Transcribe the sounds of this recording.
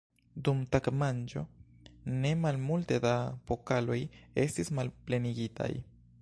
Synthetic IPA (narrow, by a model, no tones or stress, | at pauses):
dumtakmand͡ʒo̞̰ | ne̞malmulte̞dapokalo̞je̞stismalple̞niɡita̰j